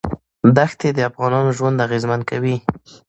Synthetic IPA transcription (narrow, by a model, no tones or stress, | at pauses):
d̪axt̪ed̪əafɣɑnɑnoʒwand̪aɣezmankawi